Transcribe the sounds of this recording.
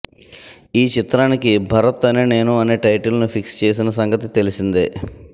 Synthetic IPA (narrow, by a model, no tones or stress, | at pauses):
iːt͡ʃit̪ɾaːnikibʱɐɾɐt̪ːɐneːne̞ːnuɐneːʈɐjʈɐlnupʰikst͡ʃe̞ːs̬inɐs̬ɐŋɡɐt̪̬it̪e̞lisind̪e